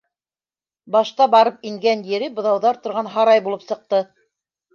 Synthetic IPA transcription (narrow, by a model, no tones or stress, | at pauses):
bɑʃt̪ɑbɑɾɤp̚iŋɡænjɘ̆ɾɘbŏðɑwðɑɾt̪ŏɾʁɑnɦɑɾɑjbulˠɤpsɤ̆q̚t̪ɤ